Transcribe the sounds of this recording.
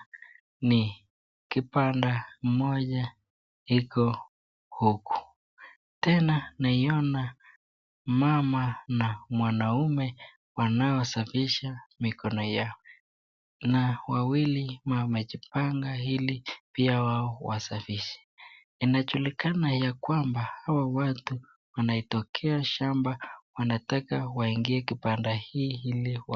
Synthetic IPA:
ni | kipandam̩mɔʄa | hikɔ | huku̥ | tɛnanaiɔna | mamanamwanaumɛ | wanaɔsafiʃamikʰɔnɔjaɔ | nawawilimamɛʄipaŋɡailipiawaɔwa̰safiʃɛ̥ | inaʄulikanajakwambahawawatu | wanaitɔkʰɛaʃambawanatakawaiŋɡiɛkipandahiːhiliw

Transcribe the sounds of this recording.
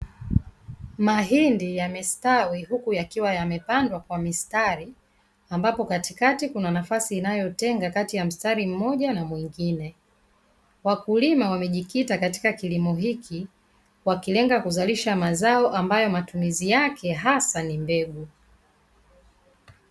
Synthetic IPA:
maɦindijamistawihukujakiwajamɛpandwakwamistaɾi | ambapɔkatikatikunanafasiːnajɔtɛŋɡakatijam̩staɾim̩mɔʄanamwiŋɡinɛ | wakulimawamɛʄikitakati̥kakilimɔɦikʰi | wakilɛŋɡakuzaliʃamazaɔʔambajɔmatumizijakʰɛɦasanimbɛɡu

